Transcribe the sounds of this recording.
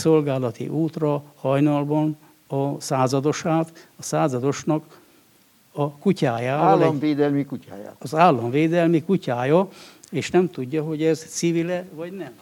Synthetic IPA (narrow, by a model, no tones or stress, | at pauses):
so̞lɡaːlɒt̪ḭʔuːt̪rɒhɒjnɒlbɒn | ɒsaːzɒd̪o̞ʃaːt̪ɒsaːzɒd̪o̞ʃnɒk | ɒkucaːjaːlmveːd̪ɛlmikuca̰ːja̰ːɒzaːlːɒɱveːd̪ɛlmikucaːjɒeːʃnɛmt̪uɟːɒɦo̞ɟɛzt̪sivilɛvɒɟnɛm